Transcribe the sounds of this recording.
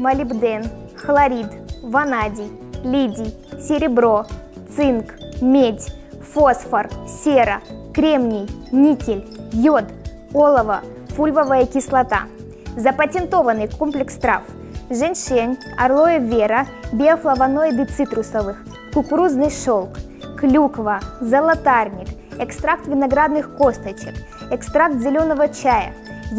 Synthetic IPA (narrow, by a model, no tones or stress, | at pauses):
mɐlʲɪbd̪ɛn | xlˠɐɾʲid̪vɐnadʲɪjlʲidʲɪj | sʲɪɾʲɪbɾo | t̪sɨnkmʲedʲ | fosfɐrsʲeɾɐkɾʲemnʲɪjnʲikʲɪlʲjot̪ | olˠəvɐ | fulʲvəvəjəkʲɪslˠɐt̪a̰ | zɐpətʲɪnt̪o̞vənɨjkomplʲɪkst̪ɾa̰f | ʐɛnʲʂenʲ | ɐ̰rlˠojəvʲeɾɐbʲɪɐflˠɐvɐnojd̪ɨt̪sɨt̪ɾʊsɐvɨx | kʊkʊɾuznɨjʂolˠk | klʲukvəzɐlˠɐt̪arnʲɪkɛkst̪ɾak̚t̪vʲɪnɐɡɾad̪nɨxkost̪ət͡ɕɪk | ɛkst̪ɾak̚t̪zʲɪlʲo̞nəvət͡ɕajə̰